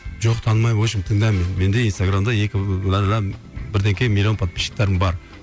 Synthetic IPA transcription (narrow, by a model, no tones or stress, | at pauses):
ʒoqt̪ʰɑnmɑjwoʃɪmt̪ʰɪŋd̪ɑmenme̞nd̪einst̪aɡɾamd̪ɑjekʲɪlˠɑɾlɑ | bɪɾd̪eŋkʲemilʲjo̞npʰat̪̚pʰi̥ʃɪ̥k̚t̪ːeɾɪmbɑɾ